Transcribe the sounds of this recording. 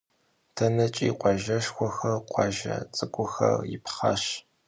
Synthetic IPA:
tʰɐnɐt͡ʃʼiːqʷɑʒɐʃxʷɔxɐrqʷɑʒɐ̰t͡sʼɨkʷʼʊxɐ̰rjɪ̰pχɐɕ

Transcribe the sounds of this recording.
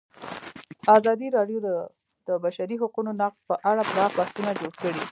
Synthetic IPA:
ɑzɑd̪iɾɑɖjod̪ə | d̪̥əbaʃaɾiɦaqunonɑqzpəʔaɽabɾɑxbasunad͡ʒoɽkəɽi

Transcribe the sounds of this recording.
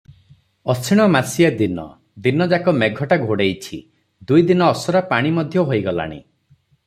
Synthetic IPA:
ɔt͡ʃʰiɽ̃ɔmasijad̪inɔ̰ | d̪inɔd͡ʒakɔmeɡʱɔʈaɡʱoɽejt͡ʃʰi | d̪ujd̪inɔːsɔɾapaɽ̃imɔd̪ʱjɔɦojɡɔla̰ɽ̃ḭ

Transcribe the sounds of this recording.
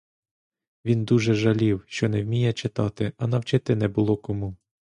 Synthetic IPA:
ʋʲind̪uʒɛʒɐlʲiwʃt͡ʃɔnɛwmʲijɛt͡ʃɪt̪ɑt̪ɪɐnɐwt͡ʃɪt̪ɪnɛbʊlˠɔkɔmu

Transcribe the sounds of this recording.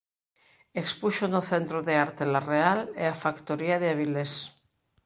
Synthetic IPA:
ekspuʃonoθent̪ɾoðeaɾt̪elarealḛafakt̪oɾiaðeaβiles

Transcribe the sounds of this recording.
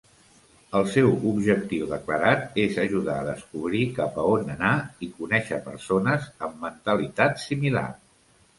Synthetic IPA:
əlˠsɛwubʒəkt̪iwðəkləɾat̪ezəʒuðaəðəskuβɾikapəonənaikunɛʃəpəɾsonəzəmːənt̪əlit̪at̪simila̰r

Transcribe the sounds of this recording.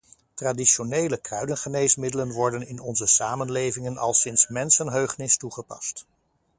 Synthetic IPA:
tradiʃonejləkrœɥdənχənejsmɪdələnʋɔɹdənɪnɔnzəsaːmənlejvɪŋənɑ̰lˠsɪnsmɛnsənɦøɥχnɪstuχəpɑ̰st

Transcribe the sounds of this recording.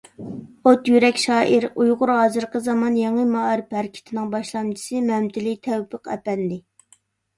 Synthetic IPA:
ot̪jyɾɛkʲʃɑːʔiɾujʁʊɾɦɑːzɨɾqəzɑmɑnjeŋɨmɑɾɨphæɾɪkʲʰi̥t̪ʰɪnɪŋbɑʃlˠɑmt͡ʃʰi̥sɨmɛmt̪ʰɪlit̪ʰɛwpʰəqɛ̰pɛnd̪ɪ

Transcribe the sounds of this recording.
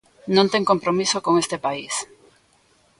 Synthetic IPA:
nõnt̪ẽŋkõmpɾomisokõŋest̪epais

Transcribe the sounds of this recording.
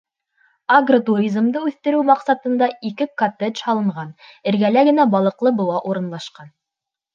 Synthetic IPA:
aɡrot̪uɾʲizmd̪ɤʉθt̪ɘ̆ɾɘwmɑqsɑt̪ɤ̆nd̪ɑikɘkot̪eʒhɑlˠɤ̆ɴʁɑnɘ̆ɾɡælæɡɘ̆næbɑlˠɤ̆qlˠɤbɤ̆wˠɑʔuɾɤ̆nlˠɑʃqɑn

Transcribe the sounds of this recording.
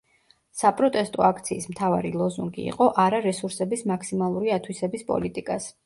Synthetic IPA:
sapʼɾɔt̪ʼɛst̪ʼɔakʰt̪sʰiːsmt̪ʰavaɾilˠɔzuŋɡḭːqʼɔʔaɾaɾɛsuɾsɛbismakʰsimalˠuɾiat̪ʰwisɛbispʼɔ̰lit̪ʼikʼas

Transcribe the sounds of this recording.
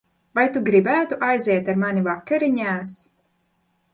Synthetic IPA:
vajt̪uɡɾibæːt̪uʔajzɛɛt̪aɾmanʲivakːaɾiɲæːs

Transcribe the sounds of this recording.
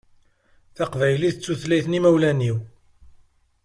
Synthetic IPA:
θaqvæjliθət͡sːuθlæjθnimæwlæniw

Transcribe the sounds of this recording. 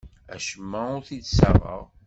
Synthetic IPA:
æ̰ʃəmːæʊɾθid̪səʁˤə̰ʁ

